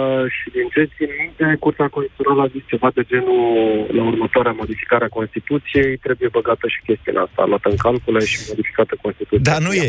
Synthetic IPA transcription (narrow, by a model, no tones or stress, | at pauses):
ʃid̪int͡ʃet͡ʃ̪ʲinmint̪e̞kurt̪eako̞nsʲt̪it̪onaləazist͡ʃe̞vad̪e̞d͡ʒe̞nulaurmət̪oaɾeamo̞d̪ifi̥kaɾeako̞nst̪it̪ut̪sije̞jt̪ɾe̞buje̞bəɡat̪əʃi̥kʲe̞st̪iṵnʔast̪a̰a̰lwat̪əɨŋkalkuleʃimo̞d̪ifi̥kat̪əko̞nst̪it̪ut̪d̪anuje